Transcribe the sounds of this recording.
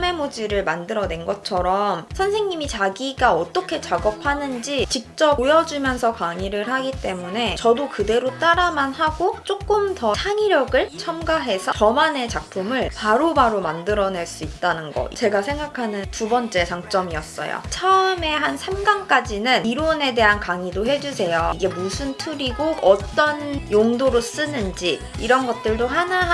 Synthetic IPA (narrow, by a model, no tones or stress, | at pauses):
me̞mod͡ʑiɾɯɭmandɯɾʌne̞nɡʌt͡ɕʰʌɾʌmsʰʌnsʰe̞ŋɲimit͡ɕaɡiɡaʌt͈ʌkʰe̞t͡ɕaɡʌpʰanɯnd͡ʑit͡ɕik̚t͡ɕ͈ʌpojʌd͡ʑumjʌnsʰʌkaŋiɾɯɭɦaɡit͈e̞mune̞t͡ɕʌdokɯde̞ɾot͈aɾamanhaɡot͡ɕ͈ok͈ɯmtʌsʰaŋiɾjʌɡɯɭt͡ɕʰʌmɡaɦe̞sʰʌt͡ɕʌmane̞t͡ɕak̚pʰumɯɭpaɾobaɾomandɯɾʌneɭs͈uit̚t͈anɯnɡʌ̰t͡ɕe̞ɡasʰe̞ŋɡakʰanɯntubʌnt͡ɕ͈e̞t͡ɕaŋt͡ɕ͈ʌmiʌs͈ʌ̰jo̰t͡ɕʰʌɯme̞ɦansʰamɡank͈ad͡ʑinɯniɾone̞de̞ɦankaŋidoɦe̞d͡ʑusʰe̞joiɡe̞musʰuntʰuɾiɡoɡʌt͈ʌnjoŋdoɾos͈ɯnɯnd͡ʑi | iɾʌnɡʌt̚t͈ɯɭdohana